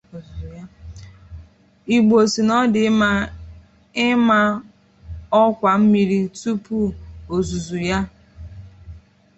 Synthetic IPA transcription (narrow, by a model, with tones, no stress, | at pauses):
ja˦ | i˨ɡ͡bo˨si˨nɔ˦dɪ˨˦ma˦ | ɪ˦ma˦ | ɔ˦kʷa˨m̩˦mi˨ɾi˦tu˦pu˦o˨zu˨zu˨ja˦